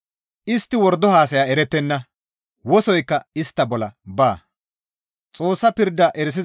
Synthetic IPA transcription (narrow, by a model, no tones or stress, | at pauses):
ʔɪst̪ːɪwɔɾd̪ɔhaːsɐjaːɛɾɛt̪ːɛnːɐ | wɔsɔjkːɐɪst̪ːɐbɔlɐbaː | t͡sʼo̞ːsːɐpɪɾd̪ːɐʔɛɾɪs̬ɪ